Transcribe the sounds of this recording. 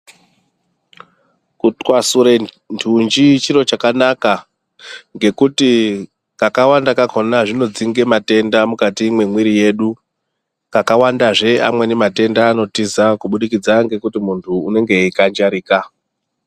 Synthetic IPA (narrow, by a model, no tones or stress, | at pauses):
kutkwasuɾe | ntʰund͡ʒit͡ʃiɾo̞t͡ʃakanaka | ŋɡe̞kuti | kakawandakakʰonaʐino̞d͡ziŋɡe̞mate̞ndamukatimwe̞mwiɾije̞ːɗu | kakawandaʐe̞amwe̞nemate̞ndaːno̞tizakuɓuɗikid͡zaŋɡe̞kutimuntʰuːne̞ŋɡe̞ikand͡ʒaɾiːka